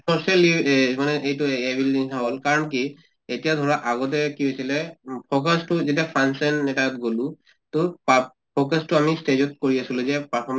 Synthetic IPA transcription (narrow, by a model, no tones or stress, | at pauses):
sʰɔsɛlimanɛʔejtʊebilisʰaɦɔlkaɹɔnki | etijadʱɔɹaʔaɡɔt̬ɛkiɦojsilɛpʰokastʊzetiapʰansanːɛtat̚ɡolʊ̃ | tʊpa | pʰokastʊamisted͡ʒɔt̚koɹiasilʊzɛpapʰɔm